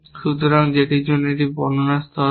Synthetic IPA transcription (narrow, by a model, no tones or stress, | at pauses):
ʃut̪oɾaŋd͡ʑeʈid͡ʑonːoeʈibɔ̰nonast̪ʰɔ